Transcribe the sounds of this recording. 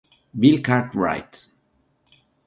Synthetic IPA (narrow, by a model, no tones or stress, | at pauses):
bilkaɹtɹa̰jt